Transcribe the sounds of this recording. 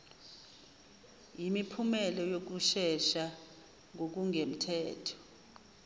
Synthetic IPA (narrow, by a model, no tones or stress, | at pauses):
jimipʰumɛlɔjok̬uʃɛʃa | ŋok̬uŋem̩tʰɛːtʰɔ̥